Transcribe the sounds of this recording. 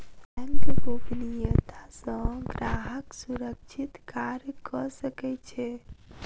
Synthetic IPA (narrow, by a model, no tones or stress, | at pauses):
mkebobnijət̪ʰasə̃ɡɾaɦəksuɾəkt͡ʃʰit̪kaɾjəkɔsəkɛt͡ʃʰɛ